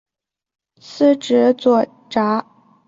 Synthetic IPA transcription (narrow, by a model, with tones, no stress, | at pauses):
sʰɹ̩˥˩ʈ͡ʂɻ̩˧˥t͡swɔ˨˩ | ʈ͡ʂa˧˥